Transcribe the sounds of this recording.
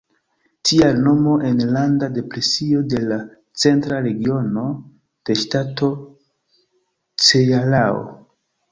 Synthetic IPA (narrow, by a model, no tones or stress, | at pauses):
tʰialno̞mo̞ʔe̞nlandade̞pɾe̞sio̞de̞la | t͡se̞ntɾaɾe̞ɡio̞no̞ | d̥e̞ʃtatʰo̞ | t͡sejalao̰